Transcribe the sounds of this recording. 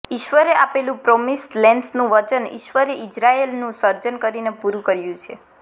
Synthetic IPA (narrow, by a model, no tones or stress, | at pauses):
ɪʃʋəɾeapelũpɾɔmisʈlɛnsnũʋət͡ʃənḭʃʋəɾeʔɪd͡ʒɾaelnũsəɾd͡ʒənkəɾinepuɾũkəɾjũt͡ʃʰe